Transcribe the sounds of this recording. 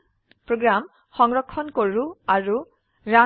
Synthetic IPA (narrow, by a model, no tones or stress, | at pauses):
pɹɔɡɹam | hɔŋɹɔkʰːɔnkɔɹuaɹu | ɹa